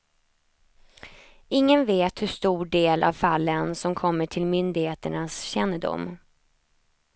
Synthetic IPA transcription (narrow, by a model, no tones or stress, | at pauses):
ɪŋːənveːt̪hɵʂt̪uːɖeːlʔa̰vfalːənsɔmkʰɔmːəʈʰɪlmʏnd̪ɪɡheːt̪əɳasɕɛnːədʊ̰mː